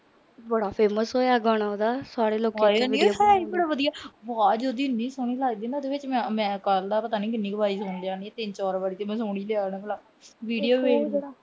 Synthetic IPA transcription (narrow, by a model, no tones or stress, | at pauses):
bəɽaːpʰeːməsɦoːjaːɡɔːɽ̃aːoːd̪aːsaːɽeːloːkːənːɦɛbəɽaːʋəd̪ijaːbaːd͡ʒoːd̪iːnːĩːsoːɳiːlaːɡd̪eːnad̪eːʋɪt͡ʃmɛ̃ːmɛ̃ːkəld̪aːpət̪aːniːkɪnːiːkʋaːiːsoɳlaːniːɛːt̪ɪnt͡ʃɔːɾbaːɽiːt̪eːmɛ̃ːsoːɳ̃iːljaːnãːkəlaː | ʋiːɖijoːʋeː